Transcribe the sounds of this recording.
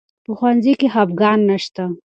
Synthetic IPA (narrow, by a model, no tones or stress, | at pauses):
pəxwanzikeɦabɡɑːnːaʃt̪a